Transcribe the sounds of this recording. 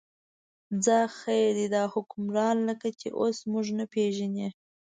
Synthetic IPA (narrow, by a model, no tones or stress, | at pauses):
d͡zɑxajed̪id̪ɑhʊkʊmɾɑnləkat͡ʃḛʔosmʊʒnapeʒane